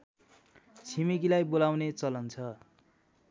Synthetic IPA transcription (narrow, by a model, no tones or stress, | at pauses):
t͡sʰimikilajbolawnet͡sʌlʌnt͡sʰʌ